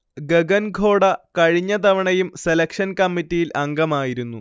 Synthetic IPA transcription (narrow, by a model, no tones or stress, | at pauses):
ɡeɡɐnɡʱo̞ːɽɐkɐɻiɲːɐt̪ɐʋɐɳɐjumselɐkʂɐnkɐmːitːijilʔɐŋɡɐmaːjiɾunːu